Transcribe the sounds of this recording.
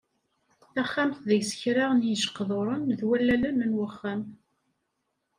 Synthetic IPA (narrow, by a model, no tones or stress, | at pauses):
θæχːæmθðəʝsə̥çɾaʁnjiʒə̥qːðˤoɾˤənðwælːælænənwəχːæm